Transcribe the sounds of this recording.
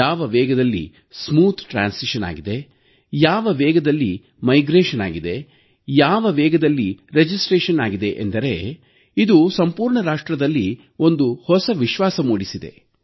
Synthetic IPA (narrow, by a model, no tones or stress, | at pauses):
aːʋɐʋɛːɡɐd̪ɐlːḭ | smuːt̪ʰʈɾa̰ːnsiʃɐna̰ːɡid̪e̞ | jaːʋɐʋɛːɡɐd̪ɐlːi | mɐjɡɾeːʃɐna̰ːɡid̪e̞ | jaːʋɐʋɛːɡɐd̪ɐlːiɾed͡ʒisʈɾeːʃɐnaːɡid̪e̞ʔḛnd̪ɐɾe̞ | id̪usɐmpuːɾɳɐɾaːʂʈɾɐd̪ɐlːi | o̞nd̪uhɔsɐʋiʃʋaːsɐmuːɽisid̪e̞̰